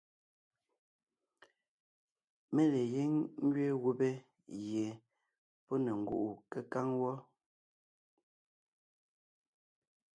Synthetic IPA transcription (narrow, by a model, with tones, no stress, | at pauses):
me˦le˨je˦ŋŋ˦ɡɥe˦ɣu˦be˦ | je˨ | pɔ˦ne˨ŋ̩˨ɡṵ˦ʔu˨ke˦ka˦ŋwɔ˦